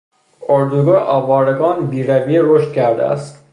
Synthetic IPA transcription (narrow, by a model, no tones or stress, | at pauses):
oɾd̪uɡɒːʔɒːvɒːɾeɡɒːnbiːɾævieɾoʃt̪̚kʲʰæɾd̪æ̰æ̰st̪